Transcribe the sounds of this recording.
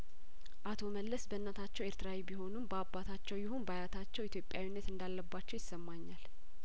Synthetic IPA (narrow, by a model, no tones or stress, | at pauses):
ʔat̪ʰo̞məlːəsbəɨnːat̪ʰat͡ʃːɛweɾt̪ʰɨɾawibiɦo̞numbəabːat̪ʰat͡ʃːɛwjɪhunbajat̪ʰat͡ʃːɛwit̪ʰjo̞pʼjawinːət̪ɨnd̪alːəbːat͡ʃːɛwjɪsːəmːaɲːal